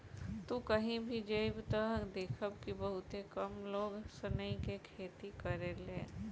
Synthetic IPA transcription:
t̪ukəɦĩbʱid͡ʒəɪbt̪əɦd̪eːkʰəbkibəɦʊt̪ekəmloːɡsənəikekʰeːt̪ikəɾeleː

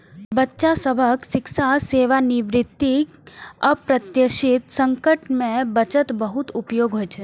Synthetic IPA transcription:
bətːʃasəbʱəksɪkʃaseːʋanɪʋɾɪt̪ːikɐpɾɐt̪jəʃɪt̪sə̃ŋkəʈmẽbət͡ʃət̪bəɦut̪ʊpjoːɡɦoːjt͡ʃʰe

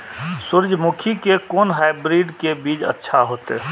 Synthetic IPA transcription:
sʊɾd͡ʒʱmukʰikekoːnɦaɪbɾiːɖkebiːd͡ʒə̰tːʃʰaɦoːt̪e

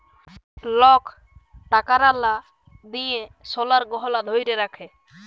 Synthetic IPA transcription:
lɔk | ʈakaɾala | d̪ijesɔlaɾɡɔɦɔlad̪ʱojɾeɾakʰe

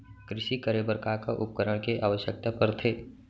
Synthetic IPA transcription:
kɾɪʃikəɾebəɾkakaʔʊp̚kəɾəɽ̃keʔa̰ːʋəʃjək̚t̪apəɾt̪ʰeː

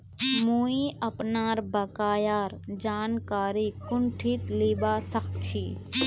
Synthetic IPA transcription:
muːiɐpnaːɾbɐkaːjaːɾd͡ʒaːnkaːɾiːkʊɳʈʰiːt̪liːbaːsɐxt͡ʃʰiː

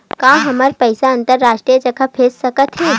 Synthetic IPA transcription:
kãːɦɐmaɾpɛɪsaɐ̃nt̪əɾːaːʃʈɾijət͡ʃɐkʰəpʰessɐkət̪ɦɛː

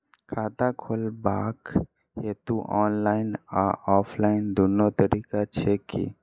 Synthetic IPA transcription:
kʰaːt̪akʰolbaːk | ɦet̪uʔɔːnlaɪna̰ɔːpʰlaɪnd̪unːot̪əɾiːkat͡ʃʰekḭ

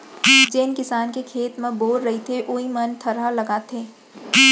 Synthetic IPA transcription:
d͡ʒeːnkɪsaːnkekʰeːt̪mẽboːɾɾɐɦit̪ʰeʔoːimɐnt̪ʰɐɾalɐɡaːt̪ʰeː

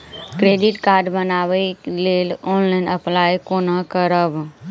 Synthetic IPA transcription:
kɾeːɖɪʈkaːɾɖbənaːʋəileːlɔːnlaɪnəplaːjkoːnakəɾəb

